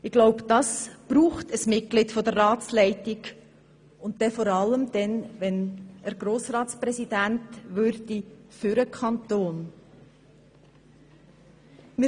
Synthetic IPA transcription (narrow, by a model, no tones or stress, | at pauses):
ɪɡ̥loʊbd̥ɑsb̥ɾuːχtəsmɪt̚ɡ̥lɪtfɔdərːɑːt͡slɛɪtɪɡ | ʊnt̚d̥ɛfɔɾɑləmd̥ɛnʋɛnəɾɡ̥ɾoːsɾɑːtspɾɛsid̥æntʋʉɾd̥ifʏɾəkʰɑntoːn | mɪ